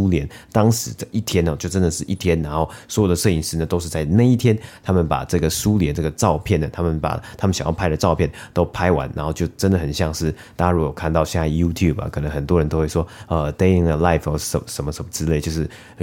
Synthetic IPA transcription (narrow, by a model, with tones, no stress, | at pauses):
u˥ljɛ˧˦˥nt̪ɑ˥ŋʂɻ̩˧˥d̪ə˧ʔi˥˩t̪ʰjɛ˥nə˨t͡ɕjo˥˩ʊʈ͡ʂə˦˥nd̪ə˨ʂɻ̩˥˧ʔi˥˩t̪ʰjɛ˥nna˧˥nxo˥˩ʊswɔ˧˥jo˨˩d̪ə˩ʂə˥˩i˨˩ʂɻ̩˧˥nə˨t̪o˥ʊʂ̬ɻ̩˥˧t͡sa˥˧ɪna˥˧ɪi˥˩t̪ʰjɛ˥nt̪ʰa˥mə˨npa̰˨˩ʈ͡ʂɤ˥˩ɡə˩su˥ljɛ˧˥nʈ͡ʂɤ˥˩ɡə˩ʈ͡ʂɑ˥˧ʊpʰjɛ˥˩nə˩t̪ʰa˥mə˨npa̰˨˩t̪ʰa˥mə˨ɕɑ̰˨ŋjɑ˥˧pʰa˥ɪd̪ə˨ʈ͡ʂɑ˥˧ʊpʰjɛ˥˩nt̪o˥ʊpʰa˥ɪwa̰˧˦nna˧˥nxo˥˧t͡ɕjo˥˩ʊʈ͡ʂə˥nd̪ə˨xə˨˩nɕjɑ˥˧ŋʂɻ̩˥˩t̪a˥a˥ɻu˧˥˩jo˨˩kʰa˥˧nt̪ɑ˥˧ʊɕjɛ˥˧na˥˩ju˥t̪ʰju˥˩bɐ̰˨kʰə˨˩nə˧˥ŋxə˨˩nt̪wɔ˥ɻə˧˦nt̪o˥ʊxwe˥˩ʂwɔ˥ə˧t̪e˥ɪi˨˥˩ŋə˨la˥˩ɪfjə˧˥˩ʂə˧˥nmə˧ʂə˧˥mə˧ʈ͡ʂɻ̩˥le˥˩ɪt͡ɕjo˥˧ʊʂɻ̩˥˩